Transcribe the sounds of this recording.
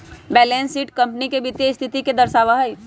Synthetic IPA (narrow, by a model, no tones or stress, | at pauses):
bɛːlẽnsiːʈkɐ̃mpnikebit̪est̪ʰɪt̪iked̪ɐɾsaːʋaɦəi